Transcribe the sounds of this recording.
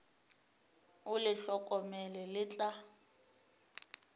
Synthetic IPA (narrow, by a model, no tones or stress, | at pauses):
ʊlɪɬɔkʼɔmɛlɛlɪt͡ɬʼa